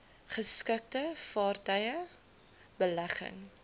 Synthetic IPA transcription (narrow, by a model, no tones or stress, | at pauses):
χəskək̚təfɑːrtəjə | bəlæχə̰ŋ